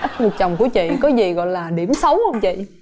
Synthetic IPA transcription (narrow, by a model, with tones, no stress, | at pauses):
ʔə˦˥t̚ŋɨ˨˩k̚t͡ɕɔ˨˩wŋ͡mku˧˩ət͡ɕḭ˧˨kɔ˨˦zi˨˩ɣɔ̰˧˨jlaː˨˩ɗi˧˩əmsə˨˦whə˧wŋ͡mt͡ɕḭ˧˨